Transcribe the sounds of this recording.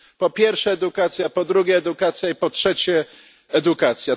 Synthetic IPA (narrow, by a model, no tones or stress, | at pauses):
pɔpʲjɛɾfʂɛːd̪ukat̪sʲjapɔd̪ɾuɡʲjɛːd̪ukat̪sʲjaipɔtʂɛt͡ɕɛ | ɛd̪ukat̪sʲja